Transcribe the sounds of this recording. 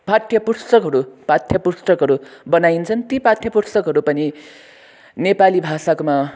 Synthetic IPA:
pat̪ʰːjʌpurst̪ʌkɦʌɾupat̪ʰjʌpurst̪ʌkɦʌɾubʌnajint͡sʰʌnt̪ipat̪ʰːjʌpurst̪ʌkɦʌɾupʌni | nepalibʱasakoma

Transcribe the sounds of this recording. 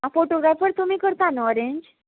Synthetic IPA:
afoʈoɡɾafəɾt̪umiːkəɾt̪anɔɾeɲd͡ʑ

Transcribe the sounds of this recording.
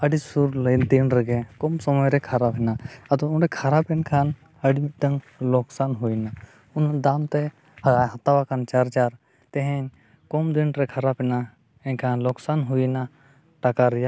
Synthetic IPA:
əɖisuɾlənd̪inɾɛɡɛkɔmsɔmɔjɾɛkʰaɾapɛnaɐd̪ɔunɾɛkʰaɾapɛnkʰan | əɖiʈəŋ | lɔksanɦujna | und̪amt̪e | ɦɐt̪awakʰant͡ʃaɾd͡ʒaɾ | t̪ɛɦɛ̃ɲ | kɔmd̪iɳɾɛkʰaɾapɦina | ɛ̃nkʰanlɔksanɦujna | ʈakaɾja

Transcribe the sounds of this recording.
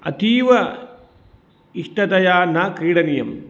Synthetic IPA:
ɐ̰t̪iːʋɐ | iʂʈɐt̪ɐjaːnɐkɾiːɽɐnijɐ̰m

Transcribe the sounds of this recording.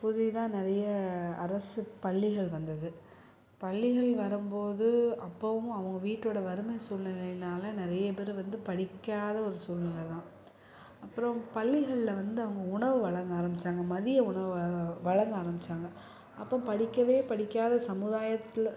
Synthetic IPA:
pʊðɪt̪ãːnɪɾɐjɐɐɾɐsɯpɐɭːɪɣɐɭʋɐnd̪ɐðɯ | pɐɭːɪɣɐɭʋɐɾɯmpoːðɯɐpːɐʋɯ̃ɐʋɐŋɡɐʋiːʈːoːɽɐʋɐɾɯmɐjsuːlnɐɣɐɭɪnaːlɐnɪɾɐjɐp̬ɛɾɯʋɐnd̪ɯpɐɽɪkːaːðɐɔɾɯsuːlnɪlɐt̪ãː | ɐpːɯɾɔ̃pɐɭːɪɣɐɭlɐʋɐnd̪ɯɐʋɐŋɡɐʊɳɐʋɯʋɐɭɐŋɡaːɾɐmbɪt͡ʃːaːŋɡɐmɐðɪjɐʊɳɐʋɯʋɐɭɐŋɡaːɾɐmbɪt͡ʃːaːŋɡɐ | ɐpːɐ̃pɐɽɪkʲːɐʋeːpɐɽɪkːaːðɐsɐmɯðaːjɐt̪ːɪl

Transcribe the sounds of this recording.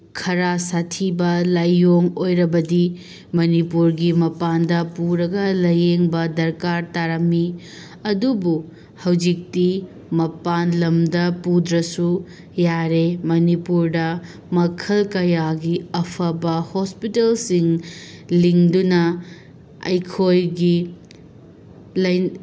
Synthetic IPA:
kʰɐɾasatʰibɐlajːoŋojɾɐbɐdi | mɐnipuɾɡimɐpandɐpuɾɐɡɐlɐjeŋbɐdɐɾkaɾtaɾɐmːi | ɐdubu | hɐwd͡ʒik̚ti | mɐpanlɐmdɐpudɾɐsu | jaɾemɐnipuɾdɐ | mɐkʰɐlkɐjaɡiɐpʰɐbɐhospitelsiŋliŋdunɐ | ɐ̰jkʰojɡi | lɐj

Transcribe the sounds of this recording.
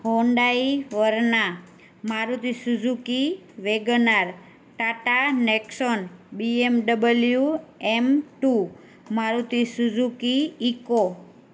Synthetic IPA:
ɦoɳɖaiʋəɾna | maɾut̪isud͡ʒukiʋeɡnaɾ | ʈaʈaneksɔnbiemɖəbəljjuemʈu | maɾut̪isud͡ʒukiiko

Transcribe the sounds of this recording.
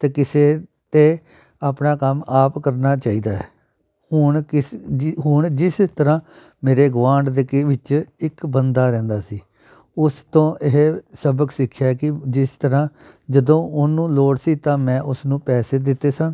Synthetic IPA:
t̪eːkɪseː | t̪eː | aːpnaːkəmaːpkəɾnaːt͡ʃaːiːd̪aːɛ̰ː | hʊɳkɪɦʊɳd͡ʒɪst̪əɾãː | meːɾeːɡʋãːɳɖd̪eːkɪʋɪt͡ʃɪkbənd̪aːɾɛ̃ːnd̪aːsiː | ʊst̪õːʔɪɦsəbəksɪkʰːjaːɛkɪd͡ʒɪst̪əɾãː | d͡ʒəd̪õːʊnũːloːɽsiːt̪ãːmɛ̃ːʔʊsnũːpɛːseːd̪ɪt̪ːeːsən

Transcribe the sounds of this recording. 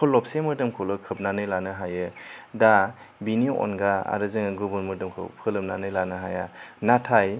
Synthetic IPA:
kʰɔlːɔp̚semɯdɯmkʰolɯkʰɯp̚nanɯjlanɯɦajɯda | biniɔ̰nɡaa̰ɾɯzɯŋɯɡɯbɯnmɯdɯmkʰɯ̰wpʰɯlɯm̚nanɯjlanɯɦajanatʰaj

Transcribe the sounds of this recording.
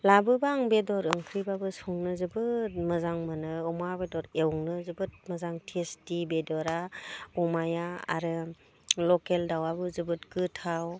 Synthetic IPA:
labɯbaŋbedɔɾɯŋkʰɾibabɯsɔŋnɯzɯbɯt̚mɯzaŋmanɯɔmabedɔɾewŋnɯzɯbɯt̚mɯzaŋtʰistibedɔɾaumajaa̰ɾɯ | lɔkeldawabɯzɯbɯtkɯtʰaw

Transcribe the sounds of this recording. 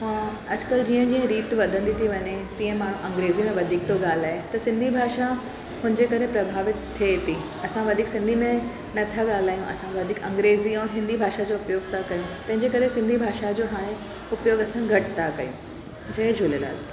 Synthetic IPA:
ɦãː | ɐd͡ʑkəld͡ʑiːə̃d͡ʑiːə̃ɾiːt̪ʋɐd̪ʱə̃nd̪it̪ʰiʋɐɲet̪ĩːə̃maːɽ̤ũʔɐ̃ŋɡɾeːzimẽʋɐd̪ʱiːk̚t̪oɠaːl̤aːet̪ɐsɪ̃nd̪ʱibʱaːʃa | ɦʊnd͡ʑekɐɾepɾɐbʱaːʋɪt̪ʰːet̪i | ɐsãʋɐd̪ʱiːksɪ̃nd̪ʱimẽ | nɐt̪ʰaɠaːl̤aːjũʔɐ̰sãʋɐd̪ʱiːkɐ̃ŋɡɾeːziɐ̃ːnɦɪ̃nd̪ʱibʱaːʃad͡ʑoːʊpjoːɡ̚t̪ʰakɐjũt̪ɐ̃ɦɪ̃ɲd͡ʑekɐɾesɪ̃nd̪ʱibʱaːʃad͡ʑoːɦaːɽ̃ẽ | ʊpjoːɡɐsãɡʱɐʈt̪ʰakɐjṵ̃ | d͡ʑɐed͡ʑʱʊlela̰ːl

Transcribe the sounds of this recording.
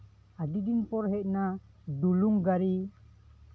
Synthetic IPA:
adidinpɔɾɦɛʔna | duluŋɡaɾi

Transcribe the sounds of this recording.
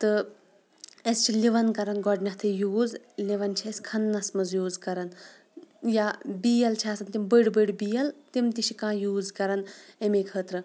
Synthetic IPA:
t̪ɨ | est͡ʃʰiliʋɐnkɐɾɐnɡɔɖnʲɐht̪ʰɨjuːz | liʋɐnt͡ʃʰiɐsʲkʰɐnːɐsmɨzjuːzkɐɾɐn | jabijɐlt͡ʃʰiɐːsɐnt̪imbəɽbəɽbijɐlt̪imt̪iʃʰikãːjuːzkɐɾɐnemeːkʰəːt̪ɾɨ

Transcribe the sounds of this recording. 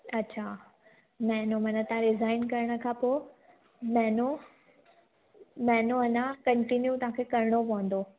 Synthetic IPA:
ɐtːɕʰa | mɛ̃ːnomɐ̃nət̪ãɾɪzaːɪnkɐɾɽ̃ə̆kʰãːpo | mɛ̃no | mɛ̃ːnoɐnãkɐ̃ɳʈinjut̪ɐɦãkʰekɐɾɽ̃opɐ̃ɦə̃nd̪oː

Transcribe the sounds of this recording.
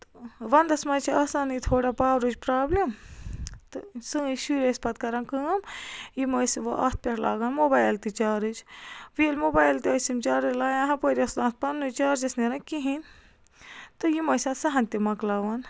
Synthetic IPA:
t̪ɨ̥ʋɐnd̪ɐsmɐːt͡ʃʰiaːsaːnit̪ʰoːɽapaːɾɨd͡ʒpɾaːblʲem | t̪ɨsɨːʃuɾespɐt̪kɐɾɐnkɨmjimɐːjsiʋɐʔɐ̰t̪̚ʰpʲeʈʰla̰ːɡaːnmoːbaːjlt̪it͡ʃaːɾɨt͡ʃʋielmoːbaːjlt̪iɐːsimt͡ʃaːɾɨlaːjãːɦɐ̃poɾʲiɐsd̪ãːt̪̚pɐnːut͡ʃaːɾd͡ʒɐsneɾɐkiɦin | t̪ɨjimɐːjsʲɐ̃sɐɦɐ̃nʲt̪imɐklaːʋɐn

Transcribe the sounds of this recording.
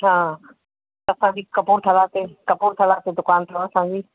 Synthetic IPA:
ɦãː | t̪ɐsãɲd͡ʑiːkɐpuːɾt̪ʰɐlat̪ekɐpuɾt̪ʰɐlaːt̪ed̪ʊkaːnt̪ʰosãːɲd͡ʑiː

